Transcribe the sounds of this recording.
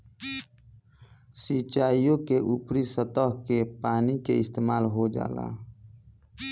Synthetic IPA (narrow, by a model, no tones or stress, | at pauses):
sit͡ʃaːijõkeʔupɾisət̪əɦkepaːnikeɪst̪eːmaːlɦod͡ʒa̰ːla̰